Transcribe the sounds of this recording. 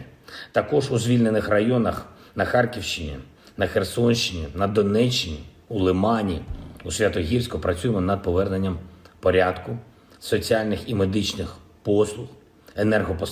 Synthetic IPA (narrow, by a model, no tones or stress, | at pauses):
t̪ɐkɔʒuzʲʋʲilʲne̞nɪxrɐjɔnɐx | nɐxɑrkʲiwʃt͡ʃɪnʲḭ | nɐxersɔnʃt͡ʃɪnʲinɐd̪ɔnɛt͡ʃːɪnʲḭ | ulˠɪmɑnʲiusʲʋʲat̪ɔɦʲirsʲkʊpɾɐt͡sʲujmɔnɐd̪̚pɔʋɛrnenʲːɐmpɔɾʲad̪kʊ | sɔt͡sʲialʲnɪximed̪ɪt͡ʃnɪx | pɔslˠʊx | enɛrɦɔpɔ